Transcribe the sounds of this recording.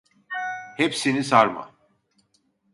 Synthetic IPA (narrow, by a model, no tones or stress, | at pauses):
hepsinisaɾma̰